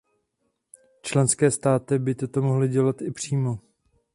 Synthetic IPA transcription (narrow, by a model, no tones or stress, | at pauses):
t͡ʃlɛnskɛːst̪aːt̪ɪbɪt̪ot̪o̞moɦlɪɟɛlat̪ɪpr̝̥iːmo